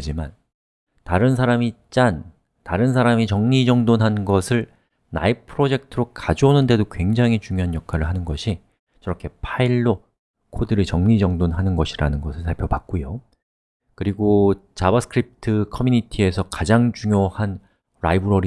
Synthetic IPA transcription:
d͡ʑiman | taɾɯnsʰaɾamit͡ɕ͈an | taɾɯns̬ʰaɾamit͡ɕʌŋɲid͡ʑʌŋdonɦannɡʌsʰɯɭ | na̰ipʰɯɾod͡ʑe̞k̚tʰɯɾokad͡ʑoonɯnde̞dokwe̞ŋd͡ʑaŋɦit͡ɕuŋjoɦanjʌkʰaɾɯɭɦanɯnɡʌɕʰi | t͡ɕʌɾʌkʰe̞pʰaiɭːo | kʰodɯɾɯt͡ɕʌŋɲid͡ʑʌŋdonɦanɯnɡʌɕʰiɾa̰nɯnɡʌsʰɯɭsʰaɭpʰjʌbak̚k͈ujo | kɯɾiɡot͡ɕabʌsʰɯ̥kʰɯɾip̚tʰɯkʰʌmjuɲitʰie̞sʰʌkad͡ʑaŋt͡ɕuŋjohan | ɾaibuɾʌɾi

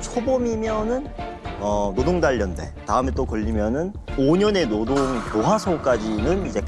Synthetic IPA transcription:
t͡ɕʰobʌmimjʌnɯn | ʌnodoŋdaʎːʌnde̞̰taɯmet͈okʌʎːimjʌnɯn | oɲʌne̞nodoŋmoɦasʰok͈ad͡ʑinɯnid͡ʑe̞k

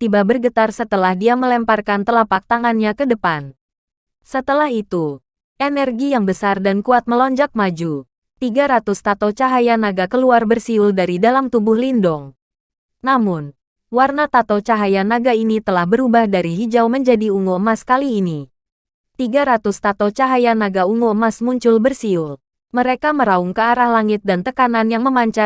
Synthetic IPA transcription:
t̪ibabərɡət̪arsət̪əlahdiaməlɛmparkant̪əlapak̚t̪aŋanɲakədəpan | sət̪əlahit̪u | ɛnɛrɡijaŋbəsardankuat̪̚məlɔɲd͡ʒak̚mad͡ʒu | t̪iɡaɾat̪ʊst̪at̪ot͡ʃaɦajanaɡakəluarbərsiʊldaɾidalamt̪ubʊhlindɔŋ | namʊn | warnat̪at̪ɔt͡ʃaɦajanaɡainit̪əlahbəɾubahdaɾiɦid͡ʒawməɲd͡ʒadiuŋumaskaliːni | t̪iɡaɾat̪ʊst̪at̪ot͡ʃaɦajanaɡauŋumasmuɲt͡ʃʊlbərsiʊl | məɾekaməɾauŋkəaɾahlaŋɪt̪̚dant̪əkananjaŋməmaɲt͡ʃa

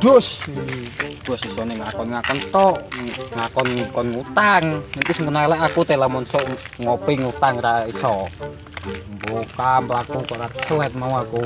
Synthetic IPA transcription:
d̪̥os | d̪̥osisɔneŋakɔnŋakɔnt̪ɔʔŋakɔnkɔnŋut̪aŋnəŋk̪isəŋkunalaʔakut̪ɛlamɔnsɔʔŋɔpiŋut̪aŋɾaisɔ | mbukamplakukɔɾat̪swɛt̪̚mauaku

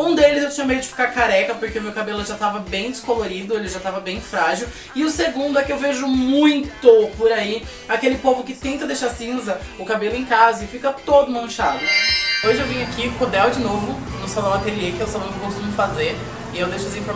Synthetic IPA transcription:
ũd̪elɪzewt͡ʃĩɲɐmejʊd͡ʒɪfi̥kaɾkaɾɛkɐpoɾkeʊmewkabelʊʒat̪avɐbẽj̃d͡ʒɪskoloɾid̪ʊelɪʒat̪avɐbẽj̃fɾaʒɪw | ɪʊseɡũnd̪ʊɛkɪewveʒʊmũj̃t̪ʊpʊɾai | akelɪpovʊkɪt̪ẽnt̪ɐd̪ejʃaɾsĩzɐʊkabelʊẽj̃kazɐɪfikɐt̪od̪ʊmɐ̃ʃad̪ʊoʒɪewvĩɲʊakikod̪ɛwd͡ʒɪnovʊnʊsad̪ɐmat̪eɾiekɪewsɔbõkkost̪ũmʊfazeɾ | ɪewd̪ejʃʊɐzĩfoɾ

